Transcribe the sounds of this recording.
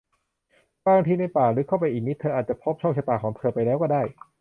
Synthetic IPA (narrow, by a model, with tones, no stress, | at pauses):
baː˧˩a˧ŋt̪ʰiː˧na˧jpaː˨˩ɾɯː˩˦kʰa˥˩wpa˧jʔiː˨˩ni˦˥t̪ʰɤː˧ʔaː˨˩t̪̚t͡ɕa˨˩pʰo˦˥p̚t͡ɕʰɔ˥˩kt͡ɕʰa˧t̪aː˨˩kʰɔː˩˦ŋt̪ʰɤː˧pa˧jlɛː˦˥wkɔː˥˩daː˥˩j